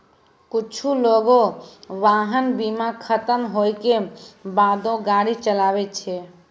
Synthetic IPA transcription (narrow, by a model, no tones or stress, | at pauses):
kut͡ʃʰuloɡoʋaɦənbimakʰət̪əmɦojkebad̪õɡaɽit͡ʃəlabɛt̪t͡ʃʰɛ